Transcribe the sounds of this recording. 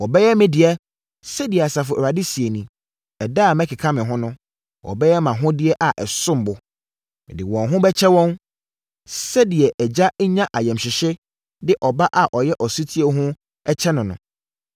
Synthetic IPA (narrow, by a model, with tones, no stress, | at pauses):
wɔ˨bɛ˦jɛ˦mɪ̃˦dɪ˨ɛ˦ | sɛ˦di˨ɛ˨a˨sa˨fʊ˨ɛ˨ɾa˨dɪ˦si˨e˨nĩ˨ | ɛ˨da˦˨mɛ̃˦kʰɪ˨kʰã˦mɪ̃˨ɦʊ̃˦nʊ̃˦ | wɔ̰˨bɛ˦jɛ˦mã˨ɦʊ̃˦dɪ˦ɛ˦ʔa˨ʔɛ˨sʊ̃˦m˨bʊ˨ | mɪ̃˨dɪ̰˨wɔ̃˨nɦʊ̃˦bɛ˦t͡ɕʰɛ˦wɔ̃˦n | sɛ˦dɪ˨ɛ˨ʔɛ˨d͡ʑa˦ɲã˦ʔa˨jɛ̃˨mɕɪ˨ɕɪ˦ | dɪ˦ʔɔ˨ba˦ʔa˨ʔɔ˨jɛ˦ʔɔ˨su˦tʰi˦e˨ɦʊ̃˦ | ɛ˦t͡ɕʰɛ˦nʊ̃˨nʊ̰̃˨